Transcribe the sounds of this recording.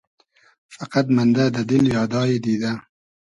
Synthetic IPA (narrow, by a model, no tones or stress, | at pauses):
fɑqɑd̪mand̪aːd̪ad̪ɪljɑːd̪ɑːjid̪iːd̪a